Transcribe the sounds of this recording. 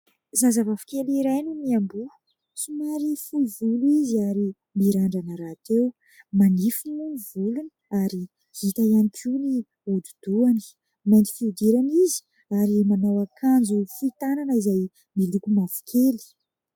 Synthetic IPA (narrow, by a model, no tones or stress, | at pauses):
zazavavi̥keliɾajnumiambu | sumaɾifuvuluiziaɾi | miɾaɳɖ͡ʐanəɾat̪ew | manifinunivulunə̥aɾi | hit̪ajanikʰuni | ud̪ud̪̥uani̥ | majnt̪i̥fid̪eɾanizi̥ | aɾimanawakʰand͡zufit̪ananəizaj | milukumavi̥kʲʰeli̥